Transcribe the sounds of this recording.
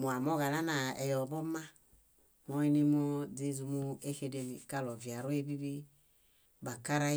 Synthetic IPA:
mu˨a˨mɔ˦ɣa˨na˦na˨ɛ̰˨jɔ˨bɔ˦ma˦ | mɔ˧i˦ni˧m˦ɔ˦de˦zu˧mu˦e˦xe˧de˧mḭ˨ka˦lɔ˨vja˨ɾu˦e˦bi˦bi˦ | ba˨ka˦ɾa˦

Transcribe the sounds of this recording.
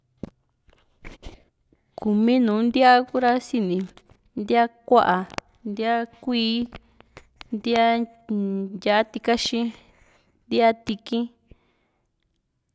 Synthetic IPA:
ku˨mĩ˦nũː˨˦nd̪ja˦ku˦ɾa˧si˧nĩ˨ | nd̪i˦a˦kʷa˦ʔa˨ | nd̪i˦a˦kʷiː˦ | nd̪i˦a˦ | ja˧ʔa˦t̪i˧ka˦ʃĩ˦ | nd̪i˦a˦t̪i˧kĩ˦

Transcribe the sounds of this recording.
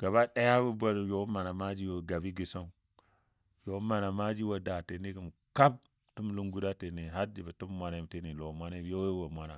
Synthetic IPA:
ɡ̥a˨ba˦ɗa˦ja˦bu˦bʷa˦ɾjo˨˦ma˨na˨ma˦d͡ʒi˦wo˨ɡa˨bi˦ɡi˨sa˦u˦ | jo˨˦ma˨na˨ma˦d͡ʒi˦wa˨da˨te˨ni˦kə˨m | ka˦b̚ | tu˦m˦lu˦ŋɡu˦da˦te˨ni˨ɦa˦ɾd͡ʒi˨bə˨tu˦mːʷa˨na˨˦m˨te˦˨ni˨lo˨mʷa˦ne˦o˦wwo˨mʷa˦na˨

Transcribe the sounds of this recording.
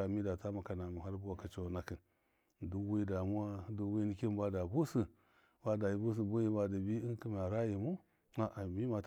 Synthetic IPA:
a˨mi˦da˨ta˦ma˨ka˨na˨mu˨ɦa˦ɾbu˦wa˨ka˨t͡ʃo˦˨na˦ki˨n | du˦wi˦da˨mu˦wa˦du˦wi˦ni˦ki˦n˦ba˦da˨bu˦si˨ | ba˦da˨ji˨bu˦s̬i˨bu˦ji˦ba˨da˨bi˦i˦nki˦m˨a˨ɾa˦ji˨mu˦ | a˨ʔa˨mi˦ma˨t

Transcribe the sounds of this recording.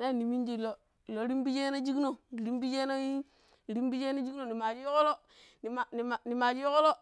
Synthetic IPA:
ne˦˨ni˨mi˦d͡ʒi˦˨lo˨˦˨ | lo˨˦ɾi˦mbi˦d͡ʒe˦no˦d͡ʒi˦kno˨ɾi˦mbi˦d͡ʒe˦no˦ji˦˨ | ɾi˦mbi˦d͡ʒe˦no˦d͡ʒi˦kno˨ni˨ma˨d͡ʒi˦jo˦ko˦lo˦ | ni˨ma˨ni˨ma˨ni˨ma˨d͡ʒi˦o˦ko˦lo˦

